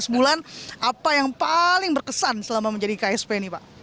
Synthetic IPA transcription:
səbulanʔapajaŋpalɪŋbərkəsansəlamaməɲd͡ʒadikaɛspenipaʔ

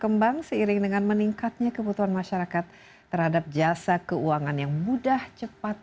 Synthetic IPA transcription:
kəmbaŋsəiɾɪŋdəŋanməniŋkat̪̚ɲakəbut̪uɦanmaʃaɾakat̪ː | ərhadap̚d͡ʒasakəuaŋanjaŋmudaht͡ʃəpat̪̚

